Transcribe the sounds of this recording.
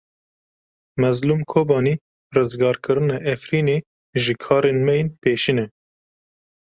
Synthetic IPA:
mɛzluːmkʰoːbɑːniː | rɨzɡɑːɾkʰɨɾɨnɛʔɛfɾiːneː | ʒɨkʰɑːɾenmɛjenpeːʃinɛ

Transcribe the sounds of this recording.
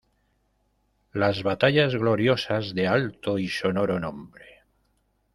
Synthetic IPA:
lazβat̪aʎazɣlo̞ɾjo̞sazðe̞alt̪oisono̞ɾonõmbɾe

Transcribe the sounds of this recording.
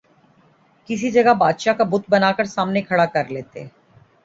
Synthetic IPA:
kɪs̬id͡ʒɐɡabaːd̪ʃakabʊt̪̚bənaːkəɾsaːmnekʰɐɽakəɾleːt̪ḛː

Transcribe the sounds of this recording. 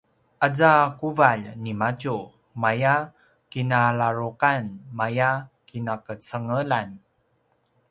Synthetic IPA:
ʔad͡zakuvaʎnimat͡ʃu | maja | kinalaɾuqanmajakinakət͡səŋəlan

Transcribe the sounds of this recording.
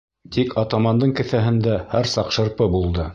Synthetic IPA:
t̪ikʰɑt̪ɑmɑnd̪ɤɴkɘ̆θæɦɘ̆nd̪æhæɾsɑqʃɤ̆ɾpɤbulˠd̪ɤ

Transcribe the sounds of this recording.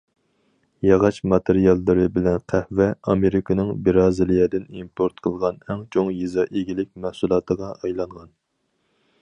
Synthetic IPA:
jɑʁɑʃmɑt̪ʰeɾijɑlˠːɨɾɨbɪlɛnqʰæhvɛɑmeɾɪkʰɨnɨŋbiɾɑːzɪlijɛd̪ɪnimpʰoɾt̪qʰəlˠʁɑnɛŋt͡ʃʰoŋjizɑʔeɡʲilɪk̚ʲmɛhsulˠɑːt̪əʁɑʔɑjlˠɑɴʁɑn

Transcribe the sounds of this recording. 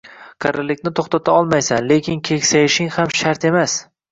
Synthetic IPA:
kʰaɾɪlːɪkʲnɪt̪ʰoχt̪at̪ʰaɒlˠmajsanle̞kʲɪnkʲʰe̞kʲsajɪʃɪŋhamʃaɾt̪e̞mas

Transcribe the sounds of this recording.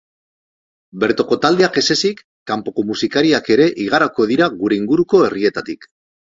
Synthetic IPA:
be̞ɾt̪o̞ko̞t̪ald̪e̞ake̞se̞sikːampo̞ko̞musikaɾiake̞ɾe̞ʔiɣ̞aɾako̞ð̞iɾaɣuɾe̞iŋɡuɾuko̞e̞rie̞t̪at̪ik

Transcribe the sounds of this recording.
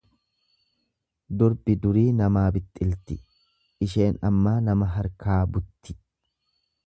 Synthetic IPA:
d̪ʊɾbɪd̪ʊɾiːnɐmaːbɪt̪ʼːɪlt̪ɪ | ʔɪʃe̞ːnɐ̰mːaːnɐmɐɦɐɾkaːbʊt̪ːɪ̥

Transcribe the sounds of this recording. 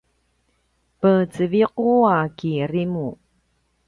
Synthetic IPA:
pət͡səviquakirimu

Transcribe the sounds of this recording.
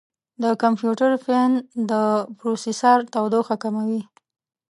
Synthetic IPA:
d̪əkampjuʈaɾfend̪əpɾosesɑɾt̪awd̪oxakamawi

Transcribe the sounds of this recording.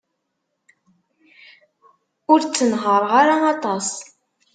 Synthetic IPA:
ʊɾt͡sːənɦəɾˤʁaɾaɑt̪ˤɑs

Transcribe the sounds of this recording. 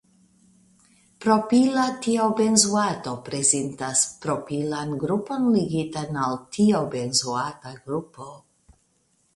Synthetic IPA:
pɾopilatiobe̞nzuato̞pɾezentaspɾopilanɡɾupo̞nliɡitanaltʰiobe̞nzuataɡɾupo

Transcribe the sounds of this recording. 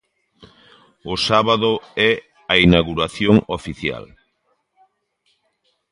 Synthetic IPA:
ʊsaβaðʊɛ | ainaɣuɾaθjoŋofiθja̰l

